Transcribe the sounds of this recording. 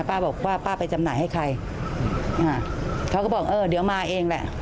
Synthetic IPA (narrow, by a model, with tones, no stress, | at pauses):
paː˥˩bɔː˨˩k̚waː˥˩paː˥˩pa˧jt͡ɕa˧mnaː˨˦jha˥˩jkʰa˧j | ʔaː˧˩kʰa˦˥wkɔː˥˩bɔː˨˩k̚ʔɤː˧d̪i˩˦wmaː˧ʔeː˧ŋlɛ˨˩ʔ